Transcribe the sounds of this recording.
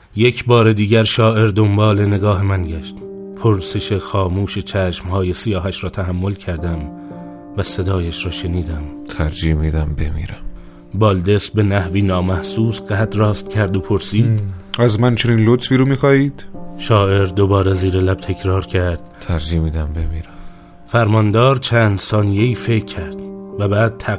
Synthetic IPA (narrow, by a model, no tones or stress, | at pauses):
jecʰbɒːɾe̞d̪iːɟæɾʃɒːʔe̞ɾd̪o̞mbɒːle̞ne̞ɡɒːɦe̞mænɟæʃt̪ | pʰoɾse̞ʃe̞xɒːmuːʃet͡ʃʰæʃmhɒːje̞sijɒːɦæʃɾɒːt̪ʰæɦæmːo̞lcʰæɾd̪æm | væse̞d̪ɒːjæʃɾɒːʃe̞niːd̪æmt̪ʰæɾd͡ʒimiːd̪æmbḛmḭːɾæm | bɒːld̪e̞sbe̞næhviːnɒːmæhsuːsɢæt̪ɾɒːst̪̚cʲʰæɾd̪opʰoɾsiːd̪æzmænt͡ʃʰe̞niːnlot̪ʰfiːɾuːmiːxɒːiːd̪̥ʃɒːʔe̞ɾd̪o̞bɒːɾeziːɾelæb̥̚t̪ʰe̞cʰɾɒːɾcʰæɾd̪̥t̪ʰæɾd͡ʒiːmiːd̪æmbe̞miːɾæm | fæɾmɒnd̪ɒːɾt͡ʃʰæːnd̪sɒːnijeiːfe̞kʰːæɾd̪̥væbæːd̪̥̚t̪ʰæ